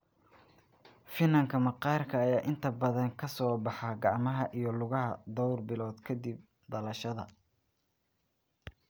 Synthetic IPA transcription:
fɪnɐŋkʰɐmɐqɑːrkʰɐːjaːʔɪnt̪ʰɐbɐðɐŋkʰɐsɔːbɑħɑɡɑʕmɐɦɐʔijɞlʊɣɐɦɐ̰d̪ɔwrbɪlɔːd̪kʰɐd̪ib̚ | d̪ɐlɐʃɐðɐ̰

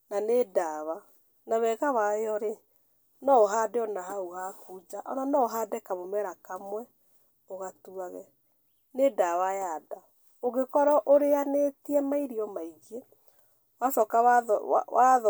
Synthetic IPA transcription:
nanedaβa | naβɛɣawaeɔɾe | nɔoɦadeɔnaɦauɣakud͡ʒaʔɔnanɔoɦadɛkaβomɛɾakamwɛ | oɣatuaɣɛ̰ | nedaβajada | oɡekɔɾɔʔoɾeanetiɛmaiɾiɔmaiɣe | wasɔkawawað

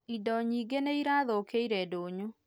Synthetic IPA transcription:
idɔɲiːɡeneiɾaːðokeiɾɛdoːɲu

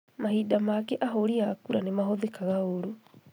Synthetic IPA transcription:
mahidamakɛʔaɦoɾiakuɾanemaɦoðekaɣaoɾo

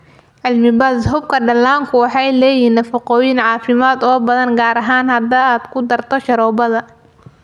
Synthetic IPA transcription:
ʕɪlmɪbɐːd̪ɦʊb̚kʰɐɖɐlaːŋkʰʊwɑħɑjlɛːjinɐfɪqɔːjɪnʕɑːfɪmaːd̪ɔːbɐðɐnɡaːɾɐɦaːnhɐd̪ɐaːd̪kʰʊd̪ɐrt̪ʰɔʃɐɾɔːbɐðɐ

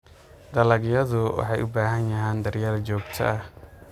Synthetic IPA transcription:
d̪̥ɐlɐɡjɐðʊwɑ̰ħɑjʔʊbaːɦɐnjɐɦɛːnd̪ɐrjaːlt͡ʃɔːɡt̪ʰɐ̰ɐh

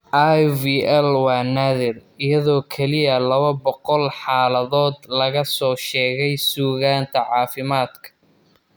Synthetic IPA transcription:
ʔajviːʔɛlwɑːnaðɪrɪjɐðɔːkʰɛlɪjɐlɐβɐbɔqɔlħɑːlɐðɔːd̪lɐɣɐsɔːʃɛːɣɛjsuːɣaːnt̪ʰɐʕɑːfɪmaːd̪kʰɐ̥

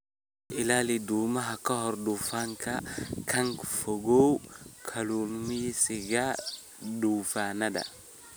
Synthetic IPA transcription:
ɪlalidumɐɦɐkɐɦɔɾdufaŋkɐkʰɐŋkfoɡowkʰɐlumijsiɡa | duːfaːnɐdɐ̰

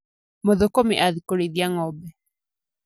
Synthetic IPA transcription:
moðokomiʔaðikoɾeðiaŋɔbɛ

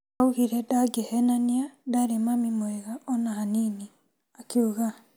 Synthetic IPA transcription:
auɣiɾɛdaɡehɛnaniadaɾemamimoeɣaɔnahanini | akuɣa

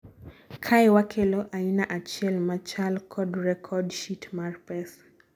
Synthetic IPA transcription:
kʰaɛwakʰelɔʔainaʔat͡ʃjɛlmat͡ʃalkʰɔdrɛkʰɔdʃitmarpɛs

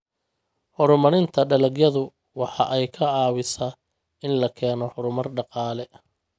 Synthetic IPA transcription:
hɔɾʊmɐɾɪnt̪ʰɐɖɐlɐɡjɐðʊ | wɑħɑʔɛjkʰɐʕɑːwɪsa | ɪnlɐkʰɛːnɔhʊɾʊmɐrɖɑqɑːlɛ

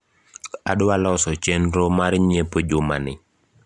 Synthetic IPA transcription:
adʊalɔsɔt͡ʃenɾomaɾɲepod͡ʒomanɪ

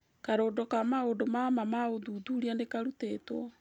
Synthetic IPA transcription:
kaɾoːdɔkamaodomamamaoðuːðuɾianekaɾutetwɔ

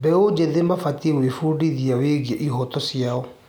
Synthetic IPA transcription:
bɛod͡ʑeðemafatiewefuːdiðiaweɣiɛʔiɦɔtɔsjaɔ

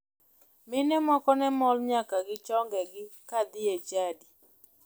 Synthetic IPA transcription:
mɪnɛmɔkɔnɛmɔlɲakaɡɪt͡ʃɔŋɡɛɡɪkad̪ɪjet͡ʃadi

